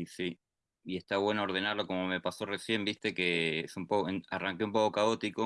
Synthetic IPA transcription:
isi | ie̞st̪aβwe̞nooɾð̞e̞naɾlo̞ko̞mo̞me̞paso̞re̞sje̞mbist̪e̞ke̞esumpokoearaŋkeump̬o̞kokao̞t̪iko̞

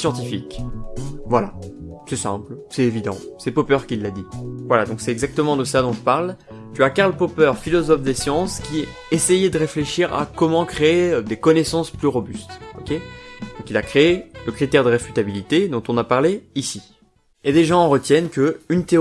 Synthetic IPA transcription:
sjɑ̃t̪ifik | vwalasɛsɛ̰̃plsɛt̪evid̪ɑ̰̃sɛpopœʁkʲilːad̪ivwalad̪ɔ̃ksɛt̪ɛɡzak̚t̪əmɑ̃d̪əsad̪ɔ̃ʒəpaʁl | t̪yakaʁlpopœʁfilɔzɔfd̪esjɑ̃skʲi | esɛjɛd̪əʁefleʃiʁa̰kɔmɑ̃kχeːd̪ekɔnesɑ̃splyʁɔbyst̪ɔkʲed̪ɔ̃kilakχeːləkχit̪ɛʁd̪əʁefyt̪abilit̪ed̪ɔ̃t̪ɔ̃napaʁleisi | ed̪eʒɑ̃ːʁət̪jɛnkəynt̪e

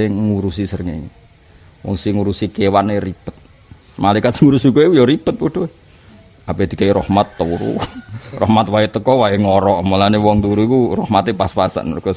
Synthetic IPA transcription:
eŋuɾusisərŋeɲḛ | wɔ̰ŋsiŋuɾusikewaneripət̪̚ | malaikat̪sɪŋuɾusikueujɔɾipət̪̚puɖ̥oe | aped̪̥i̤kaiɾɔhmat̪ːoɾṵrɔhmat̪̚waet̪əkɔwaeŋɔɾɔʔmolanewɔŋt̪uɾukurɔhmat̪epaspasa̰ʔnkɔ

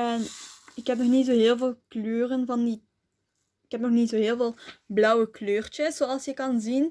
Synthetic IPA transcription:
ɛnɪkɦɛp̚nɔxnitzoːɦeːlˠveːlˠkløːrənvɑndi | ɪkɦɛp̚nɔxnitzoːɦeːlˠveːlˠblʌwəkløːrt͡ʃəz̥oːɑlˠsjəkɑnzin

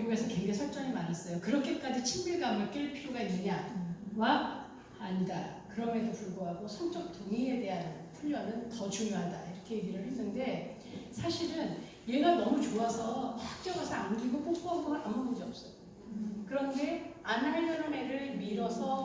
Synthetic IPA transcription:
uɡesʰʌkeŋɡesʰak̚t͡ɕ͈ʌŋimaɾas͈ʌjokɯɾʌkʰe̞k͈ad͡ʑit͡ɕʰimmuɭɡamek͈eɭpʰiɾjoɡaiɲɲawak̚ | aɲida̰kɯɾʌmedopuɭɡoɦaɡosʰʌŋt͡ɕ͈ʌk̚t͈oŋie̞de̞ɦannpʰuʎːʌnɯntʌt͡ɕuŋjoɦada̰iɾʌkʰe̞jeɡiɾɯɭhwenːɯnde̞ | sʰaɕʰiɾɯn | jenannʌmut͡ɕoasʰʌɸak̚t͡ɕ͈jʌɡasʰʌanɡiɡop͈ok̚p͈oɦaɡoaambʌnɡʌɡiʌp̚s͈ʌjo | kɯɾʌnde̞anɦaɭːʌɾone̞ɾɯɭmiɾʌsʰʌ

